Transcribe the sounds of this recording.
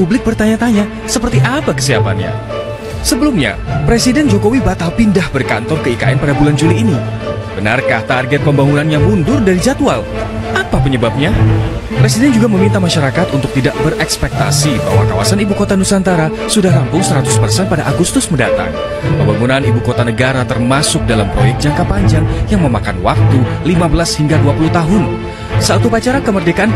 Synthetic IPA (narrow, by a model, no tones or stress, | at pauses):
publɪk̚bərt̪aɲat̪aɲa | səpərt̪iʔapakə̥siapa̰nɲa̰ | səbəlumɲa̰pɾesidɛnd͡ʒokowibat̪alpindahbərka̰nt̪ɔrkəika̰ɛnpadabuland͡ʒuliːni | b̥əna̰rkaht̪arɡɛt̪̚pəmbaŋunanjaŋmundʊrdaɾid͡ʒat̪ua̰l | ʔapapəɲəbap̚ɲa | pɾes̬idɛnd͡ʒuɡaməmint̪amaʃaɾakat̪unt̪ʊk̚t̪idaʔbərʔɛkspɛk̚t̪a̰siba̰ɦwa̰ka̰wa̰sanibukot̪anusant̪aɾa | sudahlampʊŋsəɾat̪ʊspərsɛnpadaʔaɡust̪ʊsməndat̪a̰ŋ | pəmbaŋunanibukot̪anəɡaɾat̪ərmasʊk̚dalampɾo̰jɛk̚t̪̚d͡ʒaŋkapaɲd͡ʒaŋjaŋməmakanwa̰k̚t̪ulimabəlashiŋɡaduapuluht̪aɦʊn | saʔat̪upat͡ʃaɾakəmərdekaʔan